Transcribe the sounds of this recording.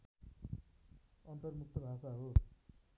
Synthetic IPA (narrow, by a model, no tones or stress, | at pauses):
ʌnt̪ʌrmuk̚t̪ʌbʱasaɦo